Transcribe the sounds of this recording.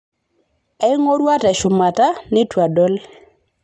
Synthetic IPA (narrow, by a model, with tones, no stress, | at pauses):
ɛ˦ŋo˦ɾwa˦tɛ˨ʃʊ˨ma˨ta˦nɪ˦twa˨dɔ˦l